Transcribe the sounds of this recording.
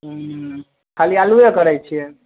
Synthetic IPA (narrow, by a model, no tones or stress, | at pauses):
kʰalialuekəɾɛjt͡ʃʰiɛ